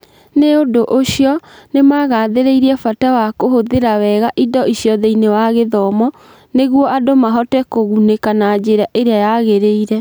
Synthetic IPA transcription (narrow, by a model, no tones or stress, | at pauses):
neodoʔoɕjɔnemaɣaːðeɾeiɾiɛfatawakohoðeɾawɛɣaʔidɔiɕjɔðeinewaɣeðɔmɔ | neɣwɔadomaɦɔtɛkoɣunekanad͡ʑeɾaʔeɾeajaɣeɾeiɾɛ